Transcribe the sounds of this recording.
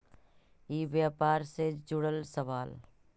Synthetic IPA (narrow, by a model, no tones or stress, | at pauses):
iːʋjaːpaːɾsed͡ʒʊɽəlsəʋaːl